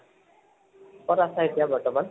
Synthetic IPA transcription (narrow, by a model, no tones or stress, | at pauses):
pɔɾasaet̪ijabɔɹʈɔman